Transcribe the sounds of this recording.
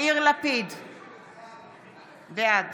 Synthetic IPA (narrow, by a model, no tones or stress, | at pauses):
iʁlapid̪ | vead